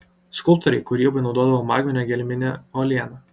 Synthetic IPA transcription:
skʊlˠp̚t̪ɔɾʲɛɪkʊɾʲiːɛbɐɪnɒʊd̪oɔd̪ɐʋoːmɑːɡʲmʲɪnʲɛɡʲɛlʲmʲɪnʲɛɔlʲiɛnɐ

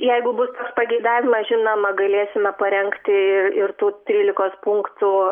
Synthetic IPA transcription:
jɛɪɡʊbʊst̪oːkspɐɡʲɛɪd̪ɑːʋʲɪmɐsʒʲɪnomɐɡɐlʲeːsʲɪmʲɛpɐɾʲɛŋkt̪ʲɪɪrɪrt̪uːt̪ʲɾʲiːlʲɪkoːspʊŋkt̪u

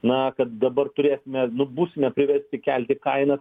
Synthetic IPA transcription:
nɐkɐt̪̚d̪ɐbɐrt̪ʊɾʲeːsʲɪmʲɛnʊbuːsʲɪmʲɛpʲɾʲɪʋʲɛɾʲsʲt̪ʲɪkʲɛlʲt̪ʲɪkɐɪnɐ

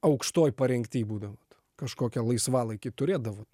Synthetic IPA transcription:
ɐʊkʃt̪oːjpɐɾʲɛŋkʲt̪ʲiːbuːd̪ɐʋoːt̪ | kɐʃkoːkʲɛlˠɐɪsʋɑːlˠɐɪkʲɪt̪ʊɾʲeːd̪ɐʋoːt̪

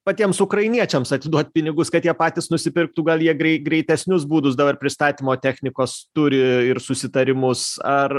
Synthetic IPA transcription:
pɐt̪ʲiɛmsʊkɾɐɪnʲiɛt͡ʃʲɛmsɐt̪ʲɪd̪uɔt̪̚ʲpʲɪnʲɪɡʊskɐt̪jiɛpɑːt̪ʲɪsnʊsʲɪpʲɪɾkt̪uːɡɐlˠjiɛɡɾʲɛɪɡɾʲɛɪt̪ʲɛsʲnʲʊs̬buːd̪ʊsd̪ɐbɐrpʲɾʲɪst̪ɑːt̪ʲiːmoːt̪ʲæxʲnʲɪkoːst̪ʊɾʲɪɪɾsʊsʲɪt̪ɐɾʲɪmʊsɐr

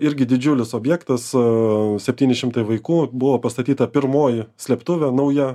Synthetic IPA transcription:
ɪɾʲɡʲɪd̪ʲɪd͡ʒʲʊlʲɪsoːbʲjæːkt̪ɐssʲɛpʲt̪ʲiːnʲɪʃʲɪmt̪ɐɪʋɐɪkuːbʊʋoːpɐst̪ɐt̪ʲiːt̪ɐpʲɪɾmoːjɪsʲlʲɛːpt̪ʊʋʲɛnɐʊjɛ

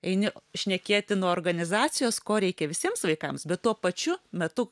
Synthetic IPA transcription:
ɛɪnʲɪʃʲnʲɛkʲeːt̪ʲɪnuɔoːrɡɐnʲɪzɑːt͡ssʲɪjoːskoːɾʲɛɪkʲɛʋʲɪsʲiɛmsʋɐɪkɐmsbʲɛt̪tuɔpɐt͡ʃʲʊmʲɛt̪ʊ

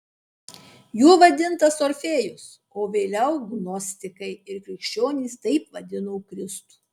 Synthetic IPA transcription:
juːʋɐd̪ʲɪnt̪ɐsoɾʲfʲeːjʊs | oːʋʲeːlʲɛʊɡnɔsʲt̪ʲɪkɐɪɪɾkɾʲɪkʃʲt͡ʃʲoːnʲiːst̪ɐɪpʋɐd̪ʲɪnoːkɾʲɪst̪u̥ː

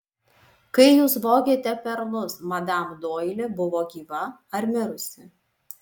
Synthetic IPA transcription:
kɐɪjuːsʋoːɡʲeːt̪ʲɛpʲɛɾlˠʊsmɐd̪ɐˑmd̪oːjlʲɪbʊʋoːɡʲiːʋɐ | ɐɾʲmʲɪɾʊsʲɪ

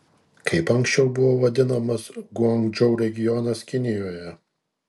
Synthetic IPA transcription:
kʰɐɪpɐŋʲksʲt͡ʃʲɛʊbʊʋoːʋɐd̪ʲɪnɐmɐsɡʊɐŋɡd͡ʒɔʊɾʲɛɡʲɪjɔnɐskʲɪnʲɪjoːjɛ

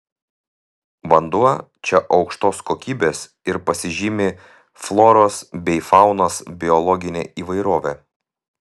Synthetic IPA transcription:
ʋɐnd̪uɔ | t͡ʃʲɛʔɒʊkʃt̪oːskoːkʲiːbʲeːs | ɪɾpɐsʲɪʒʲɪmʲɪ | flˠɔːɾoːsbʲɛɪfɑˑʊnoːsbʲɪɔlˠɔɡʲɪnʲḛːʔiːʋɐɪɾoːʋʲeː

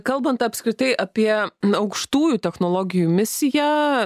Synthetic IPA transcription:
kɐlˠbɐnt̪ɐpʲskɾʲɪt̪ɐɪʔɐpʲiɛɐʊkʃt̪uːjuːt̪ʲɛxnoːlˠoːɡʲɪjuːmʲɪsʲɪjæ

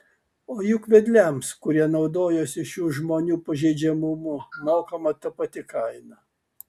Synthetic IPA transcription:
oːjʊkʋʲɛd̪ʲlʲɛmskʊɾʲiɛnɒʊd̪oːjosʲɪʃjuːʒmoːnʲuːpɐʒʲɛɪd͡ʒʲɛmʊmʊmoːkomɐt̪ɐpɐt̪ʲɪkɐɪnɐ

